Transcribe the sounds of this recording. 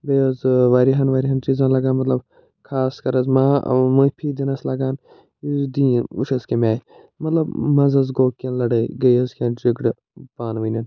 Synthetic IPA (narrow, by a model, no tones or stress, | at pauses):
beːɐzʋaːɾiɦɐnʋaːɾiɦɐnt͡ʃiːzãːlɐɡaːnmɐt̪lɐb | kʰaːskɐɾɐzmaːmɐpʰiːd̪inɐslɐɡaːn | id̪iːuʃɐskemʲaː | mɐt̪lɐbmɐzɐzɡoːkːɐ̃nlɐɽɐɡɐjɐzkʲãːnd͡ʒiɡɽ | baːnʋinɐn